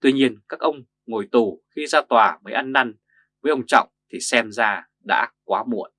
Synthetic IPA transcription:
t̪wi˧ɲi˧ənkaː˦˥k̚ʔə˧wŋ͡m | ŋo˨˩jt̪u˨˩xi˧zaː˧t̪waː˨˩məː˨˦jʔa˧nːa˧n | vəː˨˦jʔə˧wŋ͡mt͡ɕɔ̰˧˨wŋ͡mt̪ʰi˨˩sɛ˧mzaː˧ | ɗa̰ː˧˥kwaː˨˦mṵ˧˨ən

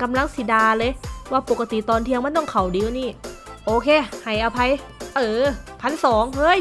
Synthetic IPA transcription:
ka˧mla˧˥˩ŋsi˨˧˩daː˧lɤː˧jwaː˧˩po˨˩kːa˧t̪i˨˩t̪ɔː˧nt̪ʰi˧əŋma˧˥˨nt̪ɔ˧˥˩ŋkʰa˨˩wdiː˧wniː˧˩ʔoː˧kʰeː˧˩˨ha˨˩jʔa˧pʰa˧˥j | ʔɤː˨˧˩pʰa˧˥nsɔː˨˩˦ŋhɤː˧˥˩j

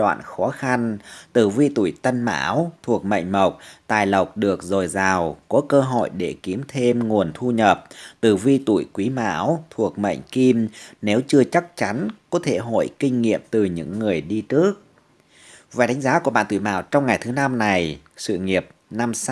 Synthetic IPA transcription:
ɗwa̰ː˧˨nxɔ˨˦xa˧nt̪ɨ˨˩vi˧t̪ṵ˧˩˨jt̪ə˧nma̰ː˧˥wt̪ʰu˨˩ək̚mə̰˧˨jŋ̟mə˨˩wk͡p̚t̪aː˨˩jlə˨˩wk͡p̚ɗɨ˨˩ək̚zo˨˩jzaː˨˩wkɔ˨˦kəː˧ɦo̰˧˨jɗe˧˩ki˨˦əmt̪ʰe˧mŋu˨˩ənt̪ʰu˧ɲə˨˩p̚t̪ɨ˨˩vi˧t̪ṵ˧˩˨jkwi˨˦ma̰ː˧˥wt̪ʰu˨˩ək̚mə̰˧˨jŋ̟ki˧mne˨˦wt͡ɕɨ˧ət͡ɕa˦˥k̚t͡ɕa˨˦nkɔ˨˦t̪ʰḛ˧˩ɦo̰˧˨jkï˧ŋ̟ŋḭ˧˨əm̚t̪ɨ˨˩ɲɨ̰˧˥ŋːɨ˨˩əjɗi˧t͡ɕɨ˦˥ək̚ | vaː˨˩jɗa˨˦ŋ̟zaː˨˦ku˧˩əɓa̰ː˧˨nt̪ṵ˧˩˨jma̰ː˧˩wt͡ɕɔ˧wŋ͡mŋa˨˩jt̪ʰɨ˨˦na˧mna˨˩j | sɨ̰˧˨ŋi˨˩əp̚na˧m

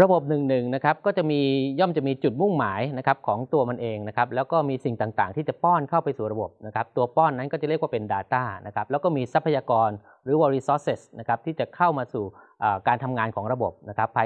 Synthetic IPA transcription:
ɾa˧bo˨˩p̚nɯ˨˩ŋnɯ˨˩ŋna˦˥kʰa˦˥p̚kɔː˥˩t͡ɕa˨˩ʔmiː˧jɔ˥˩mt͡ɕa˨˩ʔmiː˧t͡ɕu˨˩t̪̚mu˥˩ŋmaː˩˦jna˦˥kʰa˦˥p̚kʰɔː˩˦ŋt̪u˧ɐma˧nʔeː˧ŋna˦˥kʰa˦˥p̚lɛː˦˥wkɔː˥˩miː˧si˨˩ŋt̪aː˨˩ŋt̪a̰ː˨˩ŋt̪ʰiː˥˩t͡ɕa˨˩pɔː˥˩nkʰa˥˩wpa˧jsuː˨˩ɾa˧bo˨˩p̚na˦˥kʰa˦˥p̚t̪u˧ɐpɔː˥˩nːa˦˥nkɔː˥˩t͡ɕa˨˩ɾi˥˩əkwa˥˩pe˧ndaː˧t̪aː˥˩na̰˦˥kʰa˦˥p̚lɛ˦˥wkɔː˥˩miː˧sa˦˥pʰːa˧jaː˧kɔː˧n | ɾɯː˩˦wɔː˧ɾi˦sɔː˦˥se˦˩sna˦˥kʰa˦˥p̚t̪ʰiː˥˩t͡ɕa˨˩kʰa˥˩wmaː˧suː˨˩ʔaː˨˩kaː˧nt̪ʰa˧mŋaː˧nkʰɔː˩˦ŋɾa˧bo˨˩p̚na˦˥kʰa˦˥pʰːa˧

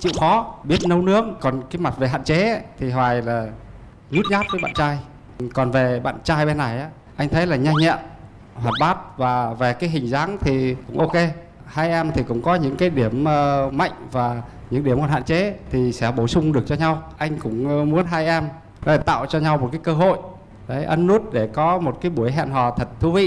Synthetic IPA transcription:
t͡ɕḭ˧˨wxɔ˨˦ɓi˦˥ət̚nə˧wnɨ˦˥ək̚kɔ˨˩nkaː˨˦jma˨˩t̚ve˨˩ɦa̰ː˧˨nt͡ɕe˨˦t̪ʰi˨˩ɦwaː˨˩jlaː˨˩ | ɲu˦˥t̚ɲaː˦˥t̚vəː˨˦jɓa̰ː˧˨nt͡ɕaː˧j | kɔ˨˩nve˨˩ɓa̰ː˧˨nt͡ɕaː˧jɓe˧nːa˨˩jʔaː˨˦ | ʔa˧jŋt̪ʰə˨˦jlaː˨˩ɲa˧ŋɲɛ̰˧˨m | hwaː˨˩t̚ɓaː˦˥t̚vaː˨˩ve˨˩kaː˨˦jɦï˨˩ŋ̟zaː˨˦ŋt̪ʰi˨˩kʊ̰˧˥ŋ͡mʔo˧ke˧ | haː˧jʔɛ˧mt̪ʰi˨˩kʊ̰˧˥ŋ͡mkɔ˨˦ɲɨ̰˧˥ŋkaː˨˦jɗi˧˩əməː˧ma̰˧˨jŋ̟vaː˨˩ | ɲɨ̰˧˥ŋɗi˧˩əmkɔ˨˩nɦa̰ː˧˨t͡ɕe˨˦t̪ʰi˨˩sɛ̰˧˥ɓo˧˩sʊ˧ŋ͡mɗɨ˨˩ək̚t͡ɕɔ˧ɲa˧wʔa˧jŋ̟kʊ̰˧˥ŋ͡mmu˨˦ənɦaː˧jʔɛ˧m˨˦ | e˧˩t̪a̰ː˧˨wt͡ɕɔ˧ɲa˧wmo˨˩t̚kaː˨˦jkəː˧ɦo̰˧˨j | ɗə˨˦jʔə˧nːu˦˥t̚ɗe˧˩kɔ˨˦mo˨˩t̚kaː˨˦jɓu˧˩əjɦɛ̰˧˨nɦɔ˨˩t̪ʰə˨˩t̚t̪ʰu˧vḭ˧˨

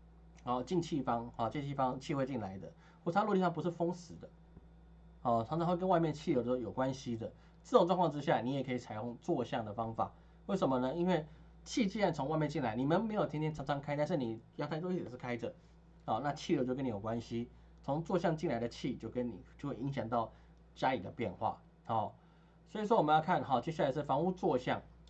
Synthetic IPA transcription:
a˧˥˧t͡ɕi˥˧nt͡ɕʰi˥˩fɑ˥ŋɔ˨˩t͡ɕi˥˧nt͡ɕʰi˥˩fɑ˥ŋt͡ɕʰi˥˧xwe˥˧t͡ɕi˥˩nla˨˦ɪd̪ə˧˨ | xwɔ˥˩˨lt̪ʰi˥ʂɑ˥˩˧pu˧˦ʂɻ̩˥˩fɤ˥ŋsɹ̩˨˦d̪ə˧ | hɔ˥˨˩ʈ͡ʂʰŋʰɑ˦ŋxwe˥˧kə˥nwa˥˧ɪmjɛ˥˧nt͡ɕʰi˥˩˨jo˧˥d̪ə˧˥ʂjo˨˩ʊkwa˦nɕi˦d̪ə˨ | t͡s̩˥˧t̪o˥˧ŋʈ͡ʂwɑ˥˧ŋkʰɑ˥˧ŋ˧ʈ͡ʂɻ̩˥ɕja˥˩ni˧˥jɛ˨˩kʰɤ˧˥i˨˩t͡sʰa˨˩ɪjo˥˧ŋt͡swɔ˥˧ɕjɑ˥˩ŋd̪ə˩fɑ˥ŋfa̰˨˩˦ | we˥˩ɪʂə˨˩mə˧nə˧i˦˥nwe˥˩ɪ | t͡ɕʰi˥˧t͡ɕi˥˧˥a˥˩nt͡sʰʊ˧˦ŋwa˧ɪmjɛ˥˧nt͡ɕi˥˩nla˨˦ɪni˨˩me˧˥˨me˧˥ɪjo˨˩t̪ʰɛ˥t̪ʰjɛ˥nʈ͡ʂʰɑ˧˥ŋʈ͡ʂʰɑ˧˥ŋkʰa˥ɪt̪a˥˧nʂɻ̩˥˩ni˨˩jɑ˥˧t̪a˥˧ɪt̪o˥˩˨ʂ̩˥˩kʰa˥ɪə˨˩ | hɔ˥˨˩na˥˧t͡ɕʰi˥˩˨jo˧˥t͡ɕjo˥˧kə˥ni˨˩jo˨˩kwa˦nɕi˦ | t͡sʰʊ˧˦ŋt͡swɔ˥˧ɕjɑ˥˧ŋt͡ɕi˥˩nla˨˦ɪd̪ə˨˧t͡ɕʰi˥˨t͡ɕjo˥˩ʊkə˦nḭ˨˩t͡ɕo˥˧xwe˥˩i˧˥ŋɕjɑ˨˩ŋt̪ɑ˥˩ʊ | t͡ɕja˦˥li˨˩d̪ə˩pjɛ˥˧nxwa̰˥˨˩ | hɔ˨˩ | swɔ˧˥i˧˩swɔ˥wmə˧˦jkʰa˥˧˨nxɑ˨˩t͡ɕjɛ˥ɕa˥˩a˧ɪʂ̩˥˩fɑ˧˥ŋu˥˧t͡swɔ˥˧ɕjɑ̰˥˩ŋ

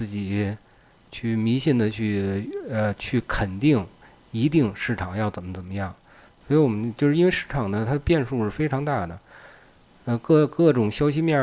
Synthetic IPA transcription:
t͡sɹ̩˥˩t͡ɕi˨˩˦ | t͡ɕʰy˥˩mi˧˥ɕi˥˩nd̪ə˨t͡ɕʰy˥˩ə˧t͡ɕʰy˥˩kʰə˨˩nt̪i˥˩ŋ | i˧˥t̪̬i˥˧ŋʂɻ̩˥˩ʈ͡ʂʰɑ˨˩ŋjɑ˥˩ʊt͡sə˨˩nmə˦t͡sə˨˩nmə˦jɑ˥˩ŋ | swɔ˧˥i˧˥wɔ˨˩mə˦nt͡ɕjʊʂɻ̩˥˧i˥nwe˥˧ɪʂɻ̩˥˩ʈ͡ʂʰɑ˨˩ŋd̪ə˦t̪ʰa˥d̪ə˧pjɛ˥˧nʂu˥˧ʂɻ̩˥˩fe˥ɪʈ͡ʂʰɑ˧˥ŋt̪a˥˩d̪ə˩ | ə˧kɤ˥˩kɤ˥˩ʈ͡ʂʊ˨˩ŋɕjɑ˥ʊɕ̬i˥mjɛ˥˩

